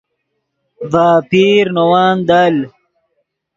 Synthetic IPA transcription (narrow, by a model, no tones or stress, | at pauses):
vaːpiɾnowaːnd̪al